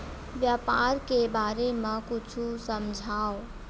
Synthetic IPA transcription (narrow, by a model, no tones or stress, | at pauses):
ʋjaːpaːɾkebaːɾemãkʊt͡ʃʰusɐmd͡ʒʱaːo